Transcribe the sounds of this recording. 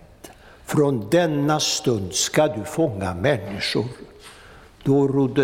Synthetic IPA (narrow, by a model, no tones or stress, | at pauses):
t̪ | fɾɔnd̪ɛnːast̪ɵnd̪skad̪ɵfɔŋːa̰mɛnːɪʂʊ̰ɾ | d̪̥ɔɾʊd̪ːə